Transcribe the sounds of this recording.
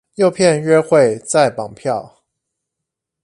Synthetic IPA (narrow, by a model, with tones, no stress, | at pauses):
jo˥˧ʊpʰjɛ˥˨nɥɛ˥xwe˥˨ɪt͡sa˥˩ɪpɑ˨˩ŋpʰjɑ˥˨ʊ